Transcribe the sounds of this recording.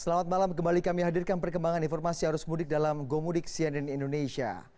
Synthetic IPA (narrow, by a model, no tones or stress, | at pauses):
səlamat̪̚malamkəmbalikamiɦadirkanpərkəmbaŋaninfɔrmasiɦaɾʊsmudɪk̚dalamɡomudɪk̚siɛnɛnindonesia̰